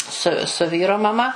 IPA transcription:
sʊ sʊ ˈʋʲiːroː mɐˈmɐ

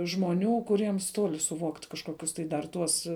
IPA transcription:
ʒmoːˈnʲuː kʊˈrʲiɛms ˈtoːlʲɪ sʊˈʋoːktʲ kɐʃˈkoːkʲʊs tɐɪ dɐr ˈtuɔs

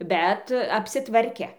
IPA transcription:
bʲɛt ɐpʲsʲɪˈtʋɐrʲkʲɛ

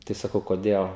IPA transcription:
ˈtɐɪ sɐˈkɐʊ koːˈdʲeːlˠ

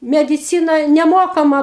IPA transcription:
mʲɛdʲɪˈt͡sʲiːnɐ nʲɛˈmoːkɐmɐ

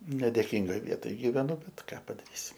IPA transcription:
nʲɛdʲeːˈkʲiːŋɡoːj ˈʋʲiɛtoːj ɡʲiːʋʲɛˈnʊ ˈbʲɛt ˈkɑː pɐdɐˈrʲiːsʲɪ

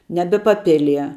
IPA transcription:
ˈnʲæːbʲɛ pɐˈpʲɪlʲiɛ

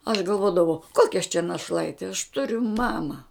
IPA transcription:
ɐʃ ɡɐlˠˈʋoːdɐʋɐʊ ˈkoːkʲɛ ɐʃ t͡ʃʲɛ nɐˈʃlˠɐɪtʲɪ ɐʃ ˈtʊrʲʊ ˈmɑːmɐ

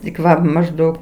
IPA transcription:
tʲɪk ˈʋɐ mɐʒˈdɐʊk

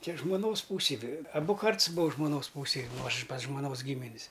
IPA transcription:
ˈt͡ʃʲɛ ʒmoːˈnoːs ˈpuːsʲɛj ʋʲɛ ɐˈbʊ ˈkɐrts buːɐ ʒmoːˈnoːs ˈpuːsʲeːj ˈnʊ ˈɐʃ pɐs ʒmoːˈnoːs ˈɡʲiːmʲɪnʲs

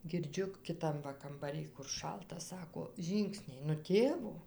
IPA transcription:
ɡʲɪrʲˈd͡ʒʲʊ kʲɪˈtɐm ʋɐ kɐmbɐˈrʲɪj kʊr ˈʃɐlˠtɐ ˈsɑːkoː ˈʒʲiːŋksʲnʲɛɪ nʊ ˈtʲeːʋoː

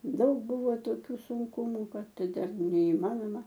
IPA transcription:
ˈdɐʊk ˈbʊʋoː toːˈkʲuː sʊŋˈkʊmʊ ˈkɐt ˈtʲɛn nʲɛɪˈmɑːnoːmɐ

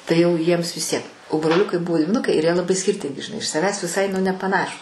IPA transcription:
tɐɪ jɛʊ ˈjiɛms ʋʲɪs ˈtʲiɛk oː broːˈlʲʊkɐɪ ˈbʊʋoː dʲʋʲɪˈnʊkɐɪ ɪr jiɛ lˠɐˈbɐɪ sʲkʲɪrʲˈtʲɪŋʲɡʲɪ ʒʲɪˈnɐɪ ɪʃ sɐˈʋʲæːs ʋʲɪˈsɐɪ nʊ nʲɛpɐˈnɑːʃuːs

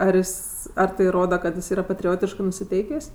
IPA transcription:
ɐr ˈjɪs ɐr tɐɪ ˈroːdɐ kɐt jɪs ˈiːrɐ pɐtʲrʲɪˈoːtʲɪʃkɜ nʊsʲɪˈtʲɛɪkʲeːsʲ

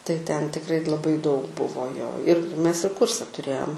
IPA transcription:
tɐɪ tʲɛn tʲɪkˈrɐɪ lˠɐˈbɐɪ dɐʊk ˈbʊʋoː joː ɪr ˈmʲɛs ɪr ˈkuːrʲsʲɛ tʊˈrʲeːjoːm

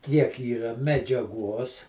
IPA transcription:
ˈkʲiɛk ˈiːrɐ mʲɛd͡ʒʲɛˈɡʊ oːs

